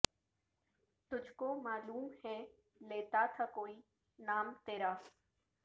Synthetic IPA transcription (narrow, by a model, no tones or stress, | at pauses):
t̪ʊd͡ʒʱkomaːluːmɦɛ | leːt̪at̪ʰakoːiː | naːmt̪eːɾaː